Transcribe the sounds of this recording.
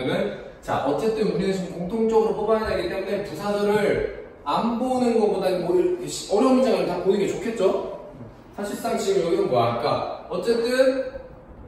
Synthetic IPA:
nɯnt͡ɕa̰ʔʌt͡ɕ͈e̞t͈ɯnuɲiesʰʌmkoŋtʰoŋt͡ɕ͈ʌɡɯɾopʌbaadaɡit͈e̞mune̞pusʰadɯɾɯɾ | anbonɯnɡʌpodaioɯɕʌɾjʌmd͡ʑaŋɯɭtapoiɡet͡ɕokʰe̞t̚t͡ɕ͈o | sʰaɕʰiɭs͈aŋeiɡɭjʌɡiɯnmboaɲik͈aʌt͡ɕ͈e̞t͈ɯn

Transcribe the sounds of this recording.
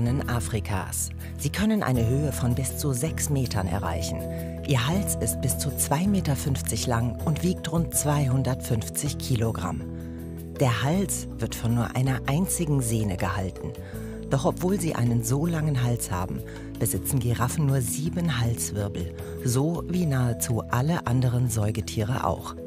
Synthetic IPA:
nənʔaːfʁ̥ikʰa̰ːs | z̥iːkʰœnənʔa̰ɪnəɦøːəfɔnbɪst͡suzɛksmeːtʰɐnɛ̰ɐʁa̰ɪçn̩ | ʔiːɐɦalsɪst̚b̥ɪst͡sut͡sv̥aɪmeːtɐfʏnft͡sɪçlaŋʔʊntv̥iːk̚tʁʊnt̚t͡sv̥aɪɦʊndɐtfʏnft͡sɪçkʰiːloɡʁa̰m | d̥eːɐhals | v̥ɪɐtfɔnːuːɐʔaɪnɐʔaɪnt͡sɪɡŋ̩zeːnəɡəha̰ltn̩ | d̥ɔχɔpv̥oːlziːʔa̰ɪnənzoːlaŋənɦalsha̰ːbm̩ | b̥əzɪt͡sn̩ɡeʁafn̩nuːɐziːbənɦalsv̥ɪɐbl̩ | zoːviːnaːət͡suːʔaləʔandəʁ̞ənzɔʏɡətʰiːʁ̞ə̰ʔa̰ʊx

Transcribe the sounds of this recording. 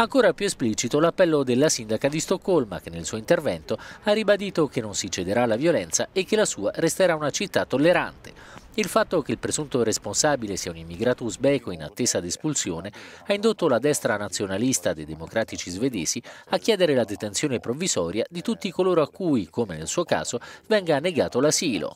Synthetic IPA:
aŋkoːɾapjuespliːt͡ʃit̪olapːɛlːod̪elːasind̪akad̪ist̪okːolma̰k̟enːelsuːoint̪ervɛnt̪oarːibad̪iːt̪ok̟enːonsit͡ʃed̪eɾalːavjolɛnt̪saekːelasuːaɾest̪eɾaunat͡ʃit̪ːat̪ːolːeɾa̰nt̪e̥ | ilfat̪ːokeilpɾezunt̪oɾesponsaːbilesiːaunimːiɡɾaːt̪ozbɛːkoina̰t̪ːeːzad̪espulsjoːne | aind̪ot̪ːolad̪ɛst̪ɾanat̪sːjonalist̪ad̪ejd̪emokɾaːt̪it͡ʃizved̪eːziakːjɛːd̪eɾelad̪et̪ent̪sjoːnepɾovːizɔːɾjad̪it̪ut̪ːikoloːɾoakːujkomenelsuːoka̰ːz̥ovɛŋɡaneɡaːt̪olasiːlo̰

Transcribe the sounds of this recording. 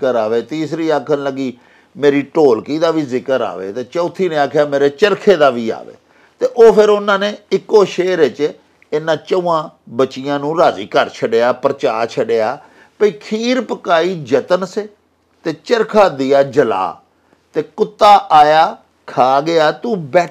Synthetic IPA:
əɾaːʋeːt̪iːsɾiːaːkʰənləɡiː | meːɾiːʈoːlkiːd̪aːʋiːzɪkəɾa̰ːʋḛːt̪eːt͡ʃəːt̪ʰiːnẽːaːkʰjaːmeːɾeːt͡ʃəɾkʰeːd̪aːʋiːa̰ːʋḛː | t̪eːʔoːpʰɪɾʊnãːneːɪkːoːʃeːɾet͡ʃ | eːnãːt͡ʃəũːãːbət͡ʃːɪjãːnũːɾaːziːkəɾt͡ʃʰəɖeːaːpəɾət͡ʃaːɾt͡ʃʰəɖeːaː | pəiːkʰiːɾpəkaːiːd͡ʒət̪ənseː | t̪eːt͡ʃəɾkʰaːd̪ɪjaːd͡ʒəla̰ː | t̪eːkʊt̪ːaːʔaːjaː | kʰaːɡɪaːt̪ũːbɛː

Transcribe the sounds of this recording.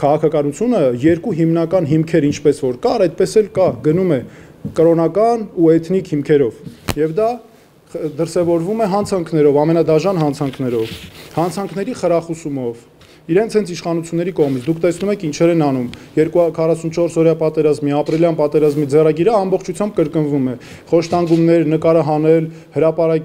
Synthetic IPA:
kʰɑʁɑkʰɑkɑnut͡sʰjunəjɛɾkuɦimnɑkɑnɦimkʰɛɾint͡ʃʰpɛsvɔɾkɑɾɛjt̪̚pɛsɛlkɑɡənumɛ | kəɾɔnɑkɑnuɛt̪ʰnikʰhimkʰɛɾɔvjɛvd̪ɑ | d̪əɾsɛvɔɾvumɛɦɑnt͡sʰɑŋkʰn̪ɛɾɔvɑmɛnɑd̪ɑʒɑnɦɑnt͡sʰɑŋkʰnɛɾɔvhɑnt͡sʰɑŋkʰnɛɾiχəɾɑχusumɔv | iɾɛnt͡sʰhɛnt͡sʰiʃχɑnut͡sʰjunːɛɾikɔʁmit͡sʰd̪ukʰt̪ɛsnumɛkʰint͡ʃʰɛɾɛnɑnumjɛɾkukʰɑrɑsunt͡ʃʰɔɾsɔɾjɑpɑt̪ɛɾɑzmiɑpɾiljɑnpɑt̪ɛɾɑzmid͡zɛrɑɡiɾəɑmbɔχt͡ʃʰu̥t͡sʰjɑmb̚kəɾkənvumɛ | χɔʃt̪ɑŋɡumnɛɾnəkɑɾəɦɑnɛl | həɾɑpɑɾɑk

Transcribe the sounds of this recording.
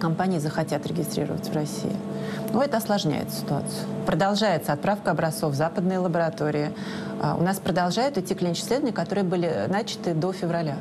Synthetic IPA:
kɐmpanʲɪjɪzəxɐtʲat̪ɾʲɪɡʲɪst̪ɾʲḭɾə̰vətʲvrɐsʲḭɪ̰ | nuɛt̪əɐslˠɐʐnʲæ̰jɪ̰t̪sə̥sʲɪ̥t̪ʊa̰t̪sɨjʊpɾəd̪ɐlˠʐajɪt̪səɐt̪̚pɾafkəɐbɾɐst̪ofvzapəd̪nɨjəlˠəbəɾɐt̪o̞ɾʲɪɪ̰ | ʊ̰naspɾəd̪ɐlˠʐajʊt̪ɪtʲːiklʲinʲɪt͡ɕɪ̥slʲed̪vəɪnʲəkɐt̪o̞ɾɨjəbɨlʲɪnat͡ɕɪ̥t̪ɨd̪o̞fʲɪvɾɐlʲa

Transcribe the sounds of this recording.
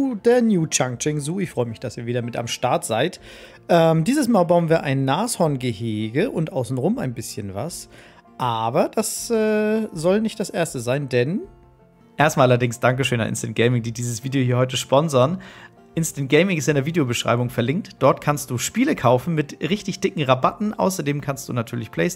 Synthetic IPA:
d̥eːɐnjuːt͡ʃaŋt͡ʃɪŋzuːɪçfʁ̥ɔʏəmɪçd̥asiːɐviːdɐmɪta̰mʃtaɐtz̥aɪt | ʔɛːmdiːzəsmaːlbaʊənviːɐʔaɪnːaːshɔɐnɡəheːɡəʔʊntʔaʊsn̩tʁʊmaɪnbɪsçənva̰s | ʔaːbɐd̥asɛːzɔlnɪçt̚d̥asʔeːɐstəzaɪndɛn | ʔeːɐstmaːlʔalɐdɪŋsd̥aŋk̬əʃøːna̰ʔɪ̰nstənt̚ɡ̥ɛɪmɪŋdiːdiːzəsv̥iːdejohiːɐhɔʏt̬əʃpɔnzɐn | ʔɪnstənt̚ɡ̥ɛɪmɪŋɪsɪndeɐviːdejobəʃʁ̥a̰ɪbʊŋfɛɐlɪŋk̚td̥ɔɐtkʰanst̚d̥uːʃpiːləkʰaʊfn̩mɪtʁɪçtɪçd̥ɪkŋ̩ʁabatn̩ʔa̰ʊsɐdeːmkʰanstd̥uːnatʰyːɐlɪçpʰl̥ɛɪs

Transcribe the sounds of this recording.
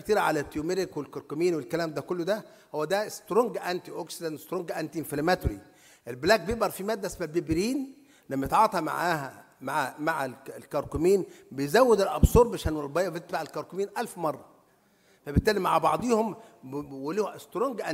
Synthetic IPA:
kt̪iːɾʕa̰læt̪ːiumeɾekwelkɑɾkomiːnwelkælæːmd̪ækolːod̪æ | howːæd̪æst̪ɾoŋɡʔænt̪iʔoksid̪ænest̪ɾoŋɡʔænt̪infilmæt̪ɾḭ | ʔelblæːɡ̚bejeʔbɑɾˤfimæːd̪ːæesmæbebɾiːn | læmːæjet̪ʕɑːt̪ˤɑma̰ʕaːɦæ | maʕamaʕælkɑɾkʊmiːnbejzæwːed̪elʔɑbsˤoːɾˤbaʃæːnwolbɑjːɑbt̪et̪baʕelkɑɾˤkomiːnʔælfmɑrˤːɑ | fæbɪt̪ːæːlimaʕabɑ̰ʕd̪ˤiːhomwælːiːhʔest̪ɾoŋɡʔæ

